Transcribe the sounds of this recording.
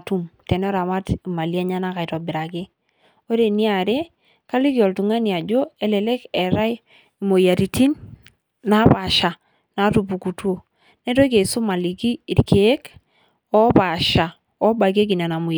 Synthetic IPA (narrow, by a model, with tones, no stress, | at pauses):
tu˦mte˨n˦ɔ˦ɾa˨ma˦ti˨ma˨li˦a˦ɲa˦na˦ka˨i˨tɔ˨bi˨ɾa˨ke˦ | o˦ɾe˨ni˦a˨ɾe˦ | ka˦li˦ki˦ɔ˨ltu˨ŋa˦ni˨a˨d͡ʒo˦e˦lɛ˨lɛ˦kɛ˨ɾa˦j | i˨mo˨ja˨ɾi˨tʰi˦n | na˦pa˨ʃa˨ | na˨˦tu˨pu˨ku˨tu˦o˦˨ | ne˦to˦ke˨su˦ma˨li˨kiː˦˨ɾkʰe˨e˦k | ɔ˦pa˨ʃa˨ | ɔ˦ba˨k̬e˦k̬i˨na˨na˨mu˨